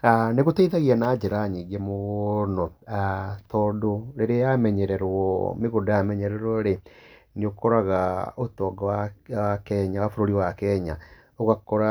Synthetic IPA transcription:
aneɣoteiðaɣianaːd͡ʒɛɾaɲiːɡemonɔatɔːdoɾeɾeajamɛɲɛɾɛɾwɔ̰meɣodojamɛɲɛɾɛɾwɔɾeniokɔɾaɣaotɔːɡawaakɛɲaafoɾoɾiwakɛɲa̰ | oɣakɔɾa

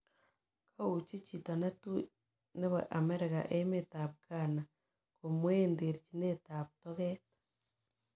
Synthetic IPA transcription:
kʰaucicitanatu | neβaʔameɾeɣa̰ʔemetaβɡaːna | komwendeɾcinetaβutoβetḁ

